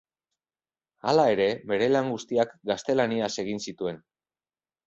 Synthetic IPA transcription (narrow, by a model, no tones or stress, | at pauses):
a̰lae̞ɾe̞me̞ɾe̞laŋɡust̪iakɡast̪e̞laniase̞ɣ̞insit̪ue̞n